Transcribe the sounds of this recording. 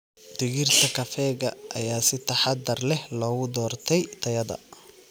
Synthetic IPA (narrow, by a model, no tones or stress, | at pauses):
d̪̥ɪɣirt̪ʰɐkʰɐfɛːɣɐʔɐ̰jaːsɪt̪ʰɐħɑd̪ɐrlɛhlɔːɣʊd̪ɔːrt̪ʰɛjt̪ʰɐjɐðɐ̰